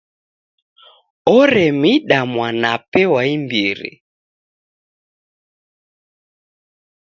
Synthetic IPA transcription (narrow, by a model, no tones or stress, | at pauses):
ɔɾɛmiɗamwanapɛwaimbiɾḭ